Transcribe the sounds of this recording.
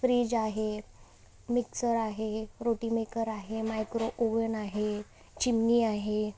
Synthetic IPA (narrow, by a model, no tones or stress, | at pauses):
fɾiːd͡ʑaɦe | miksəɾaɦeɾoʈiːmekəɾaɦemajkɾoʔoʋənaɦe | t͡ɕimniːaɦe